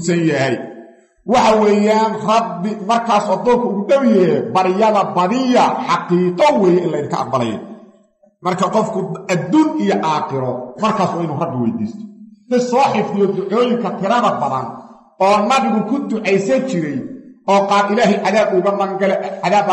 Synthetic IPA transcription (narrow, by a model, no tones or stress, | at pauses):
sɐnjɐɦɛj | wɑħɑwɛːjaːnrɐd̚ɪmɐrkʰaːsɔːd̪ɔːŋkʰɐʊɣʊɖɐβɪjɛbɐɾɪjɐðɐbɐðɪjɐħɑqiːqɔwɛːjɛɪnlɐɪðɪŋkʰɐ̰ʔɑ̰q̚bɐlɛ̰jɐ̰ | mɐrkʰɐqɔfkʰʊɐd̪uːnijɔʔaːχɪɾɔmɐrkʰaːsɔːɪnuːrɐɡ̚bɪwɛ̰jd̪ḭːst̪ʰɔ̥nɪsɔːħɪfd̪ɪjɔd̪ʊʕɔːjɪŋkʰɐt̪ʰɪɾɐðɐbɐðɐ̰n | ɔːnɐβɪɣʊkʰʊd̪ʊʕɛjsɐt͡ʃɪɾɛjɔːqɑːɾɪlaːɦɛjʕaðaːbʊɣɐnɐɡɐlɛðaːb